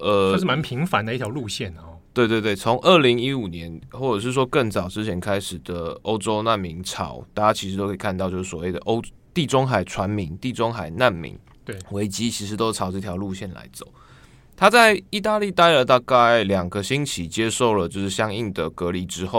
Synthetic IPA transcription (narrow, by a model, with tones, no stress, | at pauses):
ʔə˩˥ʂ̩˥˩ma˧˦npʰi˧˥ŋfa˧˦nd̪ə˧i˥t̪ʰjɑ˧˥ʊlu˥˧ɕjɛ˥˩nɐt̪we˥˧ɪt̪we˥˧ɪt̪we˥˩ɪt͡sʰo˧˥ŋʔə˥˩li˧˥ŋi˦˥u˨˩njɛ˨˦nxwɔ˥˩ʈ͡ʂə˨˩ʂ̬ɻ̩˥˩ʂ̬wɔ˦˥kə˥˩ŋt͡sɑ˨˩ʊʈ͡ʂɻ̩˥t͡ɕʰjɛ˧˥nkʰa˥ɪʂɻ̩˨˩d̪ə˩o˥ʊʈ͡ʂo˥ʊna˥˩nmi˧˥ŋʈ͡ʂʰɑ̰˨˩˦ʊt̪a˥˩t͡ɕja˥t͡ɕʰi˧˥ʂɻ̩˧˩t̪o˥ʊkʰe˥˩˨kʰnɑ˥˧ʊt͡ɕjo˥˧ʂ̩˥˩sɔ˨˩we˥˩ɪd̪ə̰˩ʔo˥ʊt̪i˥˩ʈ͡ʂo˥ŋxa˨˩ɪʈ͡ʂʰwa˧˦nmi˧˥ŋt̪i˥˩ʈ͡ʂo˥ŋxa˨˩ɪna˥˩nmḭ˧˥ŋ | wwe˧˥ɪt͡ɕi˥t͡ɕʰi˧˥ʂɻ̩˧˥t̪o˥ʈ͡ʂʰɑ˨˩ʊʈ͡ʂɤ˥˩t̪ʰjɑ˧˥ʊlu˥˧ɕjɛ˥˩nla̰˧˥ɪt͡so˨˩˦ʊ | t̪ʰa˥t͡sa˥˩ɪi˥˧t̪a˥˧li˥˩t̪a˥˧i˧ə˧˥t̪a˥˧ka˥ɪljɑ˨˩ŋɡə˨ɕi˥nt͡ɕʰi˧˥t͡ɕjɛ˥ʂo˥˩ʊlə˩t͡ɕjo˥˧ʊʂɻ̩˥˩ɕjɑ˥ŋi˥˩ŋd̪ə˩kɤ˧˥li˧˥ʈ͡ʂɻ̩˦xo˥˩ʊ